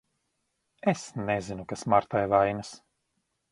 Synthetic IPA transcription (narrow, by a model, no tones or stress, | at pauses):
esnezinukasmaɾt̪ajvajnas